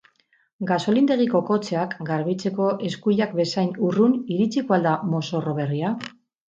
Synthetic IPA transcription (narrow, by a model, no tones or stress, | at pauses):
ɡaso̞lind̪e̞ɣiko̞ko̞t͡seakɡaɾβit͡se̞ko̞ʔe̞skuʎakbe̞sajnuruniɾit͡sikoald̪amo̞so̞ro̞βe̞ria